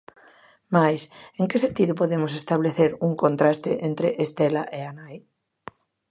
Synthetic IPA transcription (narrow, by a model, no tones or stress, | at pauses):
majseŋkesent̪iðʊpoðemos̬est̪aβleθeɾuŋkont̪ɾast̪eʔent̪ɾeʔest̪elaʔeanaj